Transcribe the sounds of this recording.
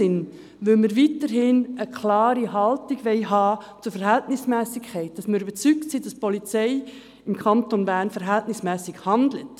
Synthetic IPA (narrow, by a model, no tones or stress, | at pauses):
ɪn | ʋʏlməɾʋiːtəɾhɪnəkʰlɑːɾiɦɑltiɡʋɛɪɦɑːt͡sʊɾfɛɾɦɛltnɪsmɛːsɪkʰɛɪt̚d̥ɑsməɾybət͡syk̚tsiːd̥ɑspɔlit͡sɛɪ | ɪmkʰɑntonbæːɾnfɛɾɦɛltnɪsmɛːsɪkhɑndlət